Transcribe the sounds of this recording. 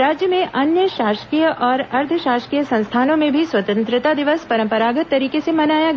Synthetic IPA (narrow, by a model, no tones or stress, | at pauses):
ɾaːd͡ʒjəmẽʔɐnjəʃaːʃkiːjəʔɔːɾɐɾt̪ʰəʃaːʃkijəsɐ̃ñst̪ʰaːnõmẽbʱiswɐt̪ə̃nt̪ɾɪt̪ad̪ɪʋəspɐɾə̃mpəɾaːɡət̪ːɐɾiːkesemɐnaːjaɡ